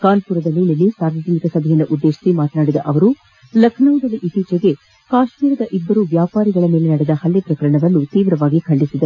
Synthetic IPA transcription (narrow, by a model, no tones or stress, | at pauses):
kaːnpuːɾɐd̪ɐlːinɐlːisaːɾʋɐd͡ʒɐnikɐsɐbʱɐjɐnːɐʔud̪ːeːʃi̥simaːt̪ɐnaːɽid̪ɐʔɐʋɐɾu | lɐkʰnɐwd̪ɐlːiʔit̪iːt͡ʃeɡe̞ | kaːʃmiːɾɐd̪ɐʔibːɐɾuʋjaːpaːɾiɡɐɭɐme̞ːle̞nɐɽɛd̪ɐhɐljepɾɐkɐɾɐɳɐʋɐnːut̪iːʋɾɐʋaːɡikʰɐɭːisid̪ɐɾu